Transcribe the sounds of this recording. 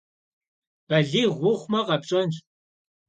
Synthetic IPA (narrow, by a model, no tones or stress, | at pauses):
b̥ɐɮiːʁʷʊχʷmɐqɐpɕʼɐnɕ